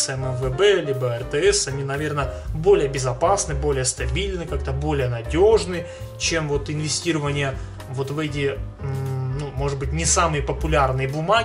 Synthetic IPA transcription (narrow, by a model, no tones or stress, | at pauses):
sɛmɛmvəbɛlʲibəɛrt̪ɛɛsɐnʲinɐvʲe̞rnə | bo̞lʲɪjəbʲɪzɐpasnɨbo̞lʲɪjəst̪ɐbʲilʲnɨkak̚t̪əbo̞lʲɪjənɐdʲo̞ʐnɨ | t͡ɕemvo̞t̪ɪnvʲɪsʲtʲiɾəvənʲɪjə | vo̞t̪vɛt̬ʲɪ | numo̞ʐɨd̪̚bɨtʲnʲɪsamɨjəpəpʊlʲarnɨjəbʊma